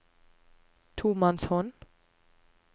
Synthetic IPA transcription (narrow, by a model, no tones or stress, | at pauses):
tʰuːmãnshɔn